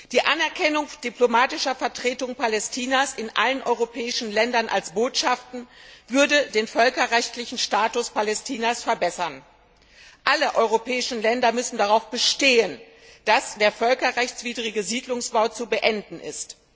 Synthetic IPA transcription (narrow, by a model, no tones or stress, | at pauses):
d̥iːʔanɛɐkʰɛnʊŋd̥iplomaːtɪʃɐfɛɐtʁ̥eːtʊŋpalɛstʰiːnasɪnʔa̰lənʔɔ̰ʏʁopʰɛːɪʃn̩lɛndɐnʔa̰lsb̥oːtʃaftn̩vʏɐdədeːnfœlkɐʁɛçtlɪçn̩ʃtaːtʊspalɛstʰiːnasfɛɐbɛsɐn | ʔaləʔɔʏʁopɛːɪʃn̩lɛndɐmʏsn̩daʁaʊfb̥əʃteːən | d̥asd̥eːɐfœlkɐʁɛçt͡sv̥iːdʁɪɡəziːdlʊŋsb̥aʊt͡subəʔɛndn̩ʔɪ̰st